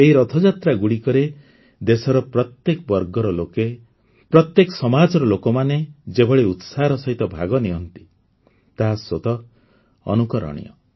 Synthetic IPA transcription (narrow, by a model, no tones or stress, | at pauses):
eɦiɾɔt̪ʰɔd͡ʒat̪ɾaɡuɽikɔɾe | d̪esɔɾɔpɾɔt̪ːjekɔbɔɾɡɔɾɔloke | pɾɔt̪jekɔsɔmad͡ʒɔɾɔlokɔmaned͡ʒebɔɭeut̪saɾɔsɔɦit̪ɔbʱaɡɔniɦɔnt̪i̥ | t̪aɦasot̪ɔ | ɔ̰nukɔɾɔ̰ɽ̃ḭɔ̰